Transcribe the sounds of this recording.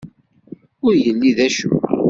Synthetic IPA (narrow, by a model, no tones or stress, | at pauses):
ʊɾjəlːiðæʃṵ